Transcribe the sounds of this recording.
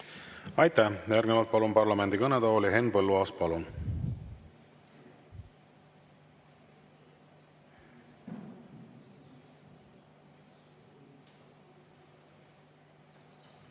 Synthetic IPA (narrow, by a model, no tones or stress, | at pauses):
ɑjt̪æjærɡnevɑlt̪̚pɑlunpɑrlɑme̞nd̪ikɤned̪ɑolʲiɦe̞nːpɤlːuɑːs̚pɑlun